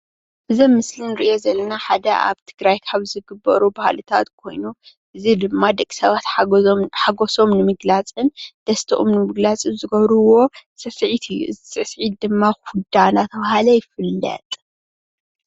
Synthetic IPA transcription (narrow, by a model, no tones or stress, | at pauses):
ʔɨzɐmːɨslinɨɾiʔjo̞zɐlːɐnaħad̪ɐʔa̰βt̪ʰɨɡɾajkʰaβzɨɡɨbːɐɾubahlɨt̪ʰa̰t̪kʰo̞̰jnu | ʔɨzid̪ɨmːad̪ɐkʼːi̥sɐβat̪ħaɡoso̞mnɨmɨɡlat͡sʼɨnd̪̥ɐst̪ʰɐʔomnɨmɨɡlat͡sʼɨzɨɡɐβɾuwo̞sɐsʕit̪ʰɨjːṵʔɨzsɨsʕit̪̚d̪ɨmːaxud̪anat̪ʰɐβahalɐjɪfɨlːɐ̰t̪ʼ